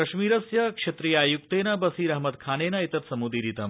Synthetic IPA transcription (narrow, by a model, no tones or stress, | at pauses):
ɐʃmiːɾɐsjɐkʂet̪ɾijaːjuk̚t̪eːnɐbɐsiːɾɐɦmɐd̪kʰaːneːnɐit̪ɐt̪sɐmud̪iɾit̪ɐ